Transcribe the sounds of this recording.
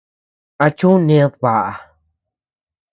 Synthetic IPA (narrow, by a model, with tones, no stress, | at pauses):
a˧t͡ʃũ˦nẽ˧˦ðβa˨ʔa˨